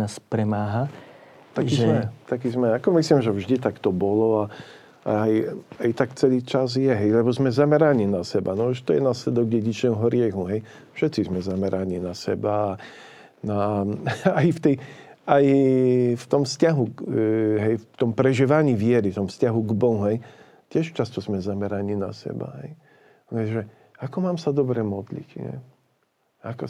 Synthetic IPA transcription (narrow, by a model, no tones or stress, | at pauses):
naspɾɛmaːɦa | t̪akiʒzmɛt̪akiːzmɛakɔmisliːmʒɛvʒd̪it̪akt̪ɔbɔlɔa | aajajt̪akt͡sɛliːt͡ʃazjɛɦɛjlɛbɔzmɛzamɛɾaniːnasɛbanɔʒɛt̪ɔjɛnaːslɛd̪ɔɡ̚ɟɛɟit͡ʃɛːɔɦɔɾɪɛɣuɦɛj | fʃɛt̪t͡sizmɛzamɛɾaninasɛbaː | na | ajft̪ɛjaj | ft̪ɔmfscaɦu | ɦɛjft̪ɔmpɾɛʒiːʋaɲiːvɪɛɾift̪ɔmfscaɦuɡbɔɦũɦɛj | cɪɛʃt͡ʃast̪ɔzmɛzamɛɾaɲina̰sɛ̰ba̰ɦɛ̰j | lɛʒɛ | akɔmaːmsad̪ɔbɾɛmɔd̪lḭcɲɛ̰ | akɔ